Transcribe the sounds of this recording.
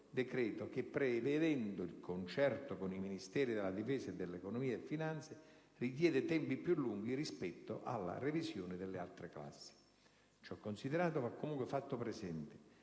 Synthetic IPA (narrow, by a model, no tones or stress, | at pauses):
d̪ekɾɛːt̪ok̟epːɾeved̪ɛnd̪oilkʰont͡ʃɛrt̪okoniminist̪ɛːɾid̪elːad̪ifɛːsaed̪ːelːekonomiːaefinant̪se | rik̪̬jɛːd̪ɪt̪ɛmpipːjulːuŋɡ̟irispɛt̪ːo̰ʔa̰lːa̰revizjoːnɪd̪elːɪalt̪ɾekla̰sːi̥ | t͡ʃɔkːonsiðeɾaːt̪ovakːomuŋkwefat̪ːopɾɛzɛnt̪ɪ̥